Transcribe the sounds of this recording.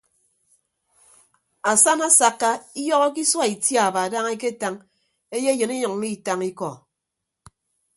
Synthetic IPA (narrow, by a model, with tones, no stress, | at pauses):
a˨sa˦na˦sa˨kːa˦i˦jɔ˦ɣɔ˦k̬i˦swa˦i˨tja˦˨ba˨da˦ŋe˦k̬e˦ta˦ŋ | e˦je˦jɨ˨ni˦ɲɔ˨ŋ˦i˦˨ta˦ŋi˦kɔ˨